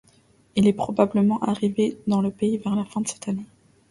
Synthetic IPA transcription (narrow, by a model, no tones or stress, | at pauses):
ilɛpχɔbabləmɑ̃ʔaʁived̪ɑ̃ləpeivɛʁlafɛ̃d̪əsɛ̥t̪ane